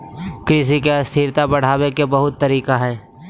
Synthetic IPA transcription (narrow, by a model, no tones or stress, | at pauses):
kɾɪs̬ikeɐst̪ʰiːɾt̪abɐɽ̤aːwekebɐɦʊt̪ːɐɾiːkaɦɛː